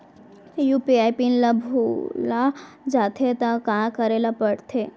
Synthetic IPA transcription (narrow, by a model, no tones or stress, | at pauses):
jupiajpinlabʱula | d͡ʒat̪ʰet̪akãkəɾelapəɽt̪ʰe